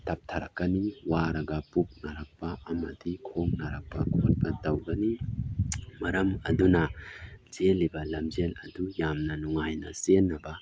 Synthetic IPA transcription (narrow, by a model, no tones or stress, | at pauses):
tʰɐp̚tʰɐɾɐ̰kːɐniwaɾɐɡɐpup̚naɾɐk̚pɐɐmɐ̰dikʰoŋnaɾɐk̚pɐkʰot̚bɐtɐwɡɐni | mɐɾɐmɐ̰dunɐd͡ʒelːibɐlɐmd͡ʒelɐ̰dujamnɐnuŋajnɐ̰senːɐbɐ